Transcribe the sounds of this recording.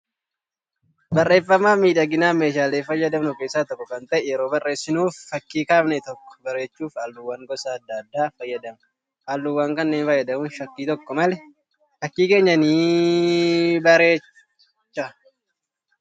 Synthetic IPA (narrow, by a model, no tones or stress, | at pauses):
bɐrːe̞ːfːɐmːaːmiːᶑɐɡɪnaːme̞ːʃaːleːfɐjːɐd̪ɐmnʊkeːsːaːt̪ɔkːɔkɐnt̪ɐʔɛjɛɾo̞ːbɐrːe̞ːsːɪnuːfːɐkːiːkaːmnɛt̪ɔkːɔ̥bɐɾe̞ːt͡ʃːuːfaːlːʊwːaːŋɡɔsaːɐd̪ːad̪ːaːfɐjːɐd̪ɐmɐ | ʔaːlːʊwaːŋkɐnːe̞ːnfɐjːɐd̪ɐmuːnʃɐkːiːt̪ɔkːɔmɐlɛ | fɐkːiːke̞ːɲːɐniː | bɐɾe̞ː | t͡ʃːɐ